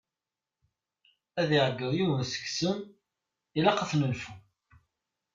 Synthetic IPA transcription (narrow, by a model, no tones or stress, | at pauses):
æðiʕəɡːəðjuwənsə̥ksən | ilɑqəθnəlfu